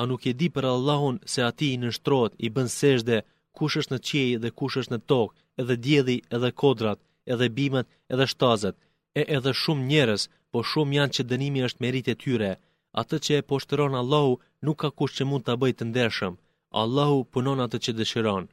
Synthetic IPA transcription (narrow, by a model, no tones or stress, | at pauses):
anukɛd̪ipəɾalˠːaɦunsɛat̪inəʃt̪ɾɔt̪ibənsɛʒd̪ɛ | kuʃəsnət͡ɕɛjðɛkuʃəsnət̪ɔk | ɛðɛd̪jɛlˠiɛðɛkʰɔd̪ɾat̪ | ɛðɛbimɛt̪ | ɛðɛʃt̪azɛt̪ | ɛʔɛðɛʃumɲɛɾəs | pɔʃumjant͡ɕəd̪ənimiəʃt̪mɛɾit̪ɛt̪ʰyɾɛ | a̰t̪ət͡ɕəɛpɔʃt̪əɾɔnalˠːahu | nukːakuʃt̪t͡ɕəmund̪t̪abəjt̪ənd̪ɛɾʃəm | a̰lˠːahupunɔnat̪ət͡ɕəd̪əʃiɾɔn